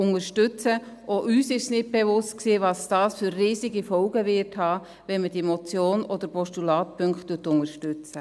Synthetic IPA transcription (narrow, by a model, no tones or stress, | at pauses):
ʊŋəɾʃtʏt͡sə | ʔoʔyːsɪʃsnɪt̚b̥evʊstksiːvɑːsd̥ɑːsfʏɾːiːsiɡifɔlɡəvɪɾthɑː | ʋɛnməd̥iɛmɔt͡sjoːnɔd̥̪əɾpɔʃtulɑːt̚pʰʏŋktuːtʊŋəʃtʏt͡sə